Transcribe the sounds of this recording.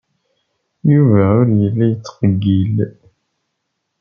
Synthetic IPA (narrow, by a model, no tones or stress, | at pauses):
juvæʊɾjəlːæjət͡sːqəɡːil